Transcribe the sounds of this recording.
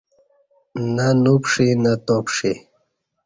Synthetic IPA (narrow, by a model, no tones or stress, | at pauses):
nanupʂinat̪opʂi